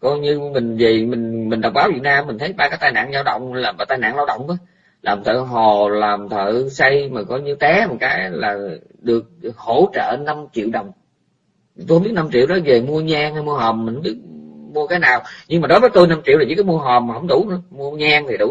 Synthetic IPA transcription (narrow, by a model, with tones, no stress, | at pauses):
kɔ˧jɲɨ˧mï˨˩ŋ̟vi˨˩mï˨˩ŋ̟mi˨˩ŋ̟ɗə˨˩wŋ͡mɓaː˨˦wvi˨˩ək̚naː˧mmï˨˩ŋ̟t̪ʰə˨˦jɓaː˧kaː˨˦jt̪aː˧jna̰ː˧˨nzaː˧wɗə̰˧˨wŋ͡mlaː˨˩mɓaː˨˩t̪aː˧jna̰ː˧˨ŋla˧wɗə̰˧˨wŋ͡mʔ | lʔaː˨˩mt̪ʰə̰ː˧˨ɦo˨˩laː˨˩mt̪ʰə̰ː˧˨sa˧jmaː˨˩kɔ˨˦ɲɨ˧t̪ɛ˨˦ma˨˩kaː˨˦jlaː˨˩ | ɗɨ˨˩ək̚ho˧˩t͡ɕə̰ː˧˨na˧mt͡ɕḭ˧˨wɗə˨˩wŋ͡m | t̪u˧ə˧ŋ͡mɓi˦˥t̚na˧mt͡ɕḭ˧˨əwɗɔ˨˦ve˨˩mu˧əɲaː˧ŋha˧jmu˧ɦɔː˨˩mmi˨˩hə˧˦ɓi˦˥ət̚mu˧əkaː˨˦jnaː˨˩wɲɨ˧ŋmaː˨˩ɗo˨˦jvəː˨˦t̪o˧jna˧mt͡ɕi˧˨wt̪ʰi˨˩i˧˦kːjmu˧əɦɔː˨˩mmːa˨˩hə̰˧˦wŋ͡mɗu˧˥nɨ˧˦əmu˧əɲaː˧ŋt̪ʰi˨˩ɗʊ̰˧˥˦